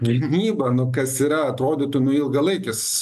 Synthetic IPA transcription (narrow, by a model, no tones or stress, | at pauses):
ɡʲɪnʲiːbɐnʊkɐsiːɾɐɐt̪ɾoːd̪ʲɪːt̪ʊnʊɪlˠɡɐlˠɐɪkʲɪs